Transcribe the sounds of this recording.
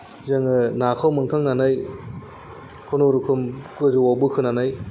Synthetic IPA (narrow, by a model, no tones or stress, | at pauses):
zɯŋɯnakʰawmɯŋtʰaŋnanaj | kʰonoɾukʰɯmkɯzuwawbɯkʰɯnanaj